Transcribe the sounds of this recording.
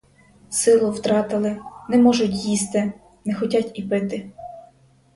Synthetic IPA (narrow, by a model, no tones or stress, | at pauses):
sɪlˠʊwt̪ɾɑt̪ɪlˠɪnɛmɔʒʊtʲjist̪ɪ | nɛxɔtʲatʲipɪt̪ɪ